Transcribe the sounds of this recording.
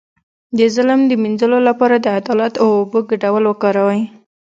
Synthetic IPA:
d̪əzələmd̪əminzəlolapɑɾad̪əad̪ɑlat̪awːbəɡaɖawəlwəkɑɾawaj

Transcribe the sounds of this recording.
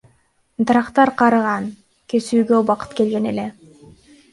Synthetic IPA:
d̪ɑɾɑqt̪ɑɾqʰɑɾɯʁɑn | kesyːɡøbɑqɯ̥t̪ke̞lɡe̞ne̞le

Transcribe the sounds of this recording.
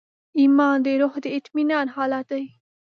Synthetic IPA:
imɑːnd̪eɾohd̪əɪt̪minɑːnhɑlat̪ai

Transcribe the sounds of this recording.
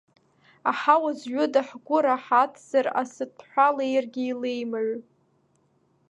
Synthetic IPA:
aħawazɥʷʊdaħɡʷʊɾaħatʰz̥ara̰sɨt̚ʼʰħʷalejrɡʲɪilejmaʕʷ

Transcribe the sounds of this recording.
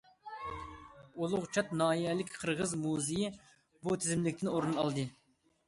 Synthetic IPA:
olˠʊʁt͡ʃʰɑt̪nɑːjɛlɪkʲqʰəɾʁəzmuziji | but̪ʰɪzɪmlɪkʲt̪ʰɪnoɾunɨɑ̰lˠd̪ɨ

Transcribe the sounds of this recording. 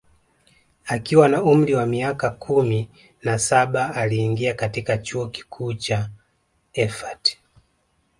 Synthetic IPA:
akiwanaum̩ɾiwamiakakʰumi | nasaɓaːliːŋɡiakatikat͡ʃuɔki̥kʰuːt͡ʃa | ɛfati̥

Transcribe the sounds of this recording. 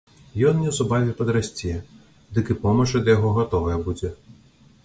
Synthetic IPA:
jɔnnʲɛwzubavʲɛpɐd̪ɾasʲt͡sʲɛjɛ | d̪ɨkɨpɔmɐʂɐd̪ɐjaɣɔɣat̪ɔvɐjɛbud͡zʲɛ

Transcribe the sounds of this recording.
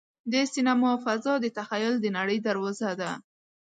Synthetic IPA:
d̪esinamɔfazɑd̪ət̪axajʊld̪ənaɽəjd̪aɾwɑzad̪a

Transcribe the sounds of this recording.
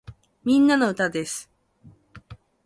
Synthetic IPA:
mʲĩnːanoɯ̟t̪ad̪e̞sɨ̥

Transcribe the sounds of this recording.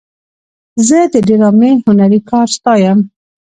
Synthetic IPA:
zɛd̪ɨdeɾɑːmehunɛɾiːkʰɑːɾst̪ɑːjɛm

